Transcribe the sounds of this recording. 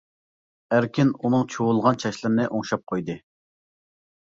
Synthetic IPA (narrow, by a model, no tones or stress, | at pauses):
æɾkʲinunɨŋt͡ʃʰoʊlˠʁɑnt͡ʃʰɑʃlˠɨɾnɨʔoŋʃɑp̚qʰojd̪ɨ